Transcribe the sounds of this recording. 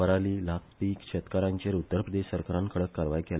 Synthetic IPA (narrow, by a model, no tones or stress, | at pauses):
əɾaliːlakpiːkɕʰet̪kaɾãɲt͡ɕeɾut̪ːəɾpɾəd̪eɕsəɾkaɾãnkʰəɽəkːaɾʋajkel